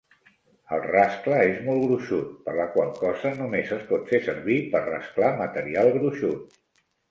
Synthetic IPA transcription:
əlˠraskləezmɔlˠɣɾuʃut̪̚pəɾləkwalˠkɔzənumezəspɔt̪fesəɾβipərrə̰sklamət̪əɾialˠɣɾuʃut̪̚

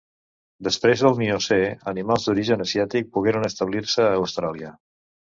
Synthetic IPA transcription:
d̪əspɾezðəlˠnioseənimalˠzd̪uɾiʒənəzjat̪ik̚puɣeɾənəst̪əβliɾsəːwst̪ɾalˠiə

